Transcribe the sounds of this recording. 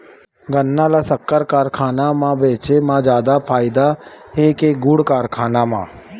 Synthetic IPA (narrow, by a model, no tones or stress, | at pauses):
ɡənːãːlaːsəkːəɾkaːɾkʰaːnaːmãːbeːt͡ʃeːmãːd͡ʒaːd̪apʰaːɪd̪aːeːkeɡʊɽkaːɾkʰaːnaːmã̰ː